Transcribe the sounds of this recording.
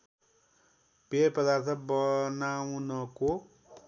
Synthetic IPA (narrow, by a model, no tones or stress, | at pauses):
peprʌd̪art̪ʰʌpbʌnawnʌko